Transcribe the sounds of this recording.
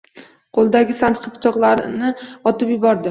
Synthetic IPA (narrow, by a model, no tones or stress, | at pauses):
qʰolˠd̪aɡʲɪsant̪qʰɨpt̪ʰɒqlˠaɾnɪɒt̪ɪpjɪbɒɾd̪ɪ